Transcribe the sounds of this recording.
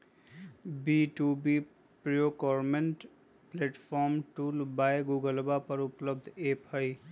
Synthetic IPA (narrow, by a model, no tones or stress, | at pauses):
biʈubi | pɾijokɔːɾmeɳʈ | pleːʈpʰɔːɾmʈulbajɡuːɡəlbapəɾʊpləb̚d̪ʱeːphəj